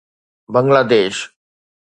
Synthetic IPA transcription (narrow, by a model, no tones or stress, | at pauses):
bəŋɡlad̪eːʃ